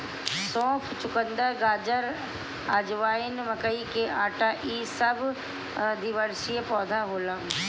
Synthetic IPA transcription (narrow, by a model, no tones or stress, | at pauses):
sɔ̃ːpʰt͡ʃʊkə̃nd̪aɡaːd͡ʒəɾ | aːd͡ʒʋaːɪnʋɐkəikeʔaːʈaʔiːsɐbʱ | d̪iʋəɾsiepɔːd̪ʱaɦoːlã